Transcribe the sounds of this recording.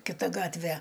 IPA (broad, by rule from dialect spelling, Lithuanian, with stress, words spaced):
kʲɪˈtɐ ˈɡɑːtʲʋʲɛ